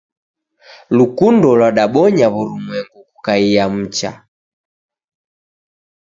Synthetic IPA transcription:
lukundɔlwaɗaɓɔɲaβɔlumwɛŋɡukukaijam̩t͡ʃa̰

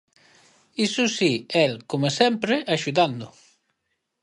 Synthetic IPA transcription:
isusiɛlkomesɛmpɾeʔaʃuðand̪ʊ

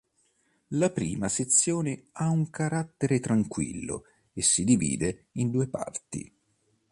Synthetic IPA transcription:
lapɾiːmaset̪sːjoːneauŋkaɾat̪ːeɾet̪ɾaŋkwḭlːo̰ | esːid̪ivḭːd̪eind̪uːepa̰rt̪ḭ

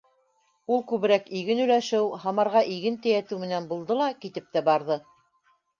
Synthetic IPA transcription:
ulˠkʉβɘ̆ɾækiɡɘnʉ̆læʃɘwhɑmɑɾʁɑʔiɡɘnt̪æjæt̪ɘwmɘ̆nænbulˠd̪ɤlˠɑkit̪ɘp̚t̪æbɑɾðɤ

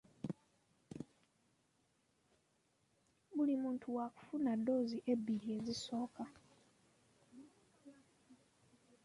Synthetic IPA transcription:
βulimuːntʰuwaku̥funadːo̞ːziʔe̞bːiɾie̞ziso̞ːka

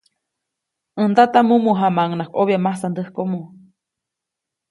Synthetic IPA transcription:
ʔɨnd̪at̪amumuɦamaŋnakoβiamasand̪əhkomu

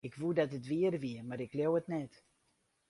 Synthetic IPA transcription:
ɪkʋudɑtətʋiərʋiəmarɪkljowətnɛt

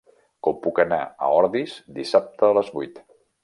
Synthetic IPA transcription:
kɔmpukəna̰ə̰ɔɾðizd̪isap̚t̪əːləzβujt̪

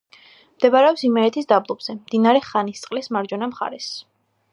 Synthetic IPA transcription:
md̪̥ɛbaɾɛɔpsimɛɾɛt̪ʰisd̪ablˠɔbz̥ɛmd̪inaɾɛχanist̪sʼqʼlismaɾd͡ʒɔnamχa̰ɾɛs

